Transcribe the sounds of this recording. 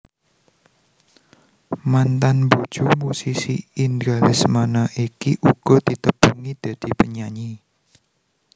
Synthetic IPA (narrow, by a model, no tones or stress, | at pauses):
mant̪anbu̥ʒ̥umusisiindalɪsmanaʔikiʔuɡ̥ɔ̤d̪̥it̪əb̥uŋid̪̥a̤d̪̥i̤pəɲaɲi